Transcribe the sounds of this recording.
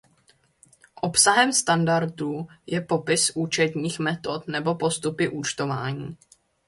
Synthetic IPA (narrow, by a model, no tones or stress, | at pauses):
ʔo̞psaɦɛmst̪andaɾt̪uːjɛpo̞pɪsʔuːt͡ʃɛt̪ɲiːxmɛt̪o̞t̪nɛbo̞po̞st̪upɪʔuːt͡ʃt̪o̞va̰ːɲiː